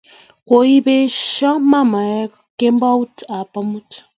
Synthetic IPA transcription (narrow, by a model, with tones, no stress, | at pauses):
ko˨i˦be˦ʃa˦ma˦ma˨ja˦k | ke˦mba˦u˦ta˨pa˦mu˦t